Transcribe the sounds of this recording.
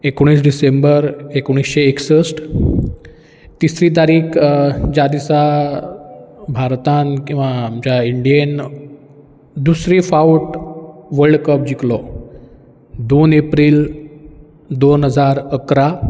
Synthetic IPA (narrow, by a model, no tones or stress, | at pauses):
ekoɽ̃iːs̬ɖisembəɾekoɽ̃isɕeːksəsʈ | t̪isɾit̪̬aɾiːkʰd͡ʑad̪isa | bʱaɾt̪ãnkĩw̃ʋamd͡ʑaiɳɖijen | d̪usɾifauʈʋəɾɖkəp̚d͡ʑiklɔ | d̪onepɾiːl | d̪onɦəd͡zaɾəkɾa